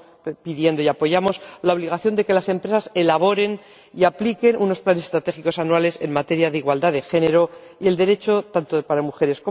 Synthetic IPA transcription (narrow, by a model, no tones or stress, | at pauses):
piðje̞nd̪o̞japo̞ʝamo̞slao̞β̞liɣ̞aθjo̞nd̪e̞ke̞lase̞mpɾesase̞laβ̞o̞ɾe̞n | iaplike̞nuno̞splanesest̪ɾat̪e̞xiko̞sanuale̞se̞nmat̪e̞ɾjaðeiɣwald̪aðe̞xe̞ne̞ɾo̞ie̞ld̪e̞ɾe̞t͡ʃo̞t̪ant̪opaɾamuxe̞ɾe̞sko